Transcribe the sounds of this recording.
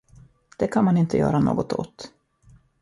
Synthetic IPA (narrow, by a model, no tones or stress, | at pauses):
d̪̥ɛkʰanmanɪnt̪ə̰jœ̰ːɾano̰ːɡɔt̪o̰t̪